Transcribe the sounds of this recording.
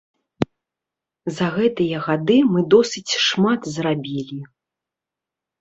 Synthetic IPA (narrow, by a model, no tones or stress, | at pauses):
zɐɣɛt̪ɨjɐɣad̪ɨmɨd̪ɔsʲɨt͡sʲʂmat̪zrabʲilʲi